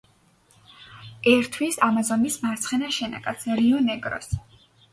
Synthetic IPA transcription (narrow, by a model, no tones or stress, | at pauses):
ɛɾt̪ʰwisamazɔnismaɾt̪sʰχɛnaʃɛna̰kʼat̪sʰɾiɔnɛɡɾɔ̰s